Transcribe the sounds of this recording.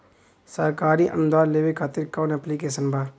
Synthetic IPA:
səɾkaːɾiʔə̰nʊd̪aːɾleːʋekʰaːt̪ɪɾkaːnɛplikeːsənbʱaː

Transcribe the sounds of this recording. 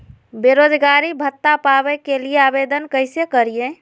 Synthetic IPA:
beɾod͡ʒɡaɾibʱət̪ːapabɛkelieabed̪ənkəɪsekəɾijẽ

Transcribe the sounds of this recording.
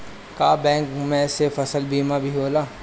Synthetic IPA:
kaːbɛ̃ːŋkmẽsefɐsəlbiːmabʱiɦoːlaː

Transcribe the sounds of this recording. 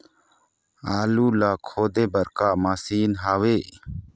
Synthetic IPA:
aːluːlaːkʰoːd̪eːbɐɾkaːmaːsiːnɦaːweː

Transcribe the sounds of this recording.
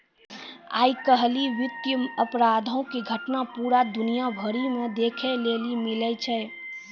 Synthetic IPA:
a̰ːikəɦliʋɪt̪əməpɾaːd̪ʱõkiɡʱəʈnapuːɾad̪ʊnijabʱəɾimẽd̪eːkʰeleːlimɪlɛt͡ʃʰɛ

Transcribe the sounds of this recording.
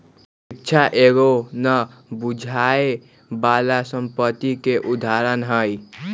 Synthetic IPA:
ik̚t͡ʃʰaʔeɡonə | bud͡ʒʱae | balasəmpət̪ːikeʔud̪ʱaɾənɦəj

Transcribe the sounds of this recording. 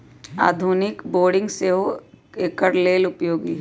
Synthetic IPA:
a̰ːd̪ʱunɪkboːɾɖɪ̃ŋɡseɦoekəɾleːlʊpjoːɡi

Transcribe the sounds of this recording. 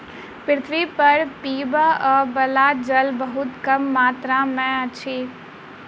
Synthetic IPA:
pɪɾɪt̪ʰʋipəɾpiːbaəbɐlaːd͡ʒəlbəɦʊt̪kɐmːaːt̪ɾamɛ̃ət͡ʃʰiː

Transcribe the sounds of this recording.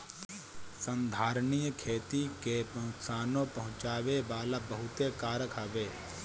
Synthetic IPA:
sə̃nd̪ʱaːɾnijkʰeːt̪ikepəɦʊ̃t̪saːnõpəɦʊ̃t͡ʃaːʋebaːlabəɦʊt̪ekaːɾəkʰaːʋeː

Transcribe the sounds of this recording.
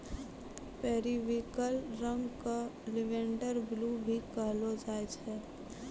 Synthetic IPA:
pɛɦɾiʋikəlɾə̃ŋɡkalɪʋẽːɳɖəɾblubʱikəɦlod͡ʒaːet͡ʃʰɛ

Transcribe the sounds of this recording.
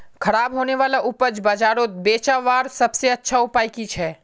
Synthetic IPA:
kʰɐɾaːbɦoːneʋaːlaʔʊpəd͡ʒbaːd͡ʒaːɾoːt̪̚beːt͡ʃaʋaːɾsɐbseɐtːʃʰaʊpaːikiːt͡ʃʰɛː

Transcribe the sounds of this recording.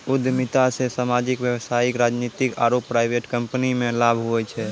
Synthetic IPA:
ud̪ʱːmit̪asẽsamad͡ʒikbjəwsaikɾad͡ʒnit̪ikaɾopːɾaɪjbʱeʈkəmpənimẽlabʱɦoɛt͡ʃʰɛ

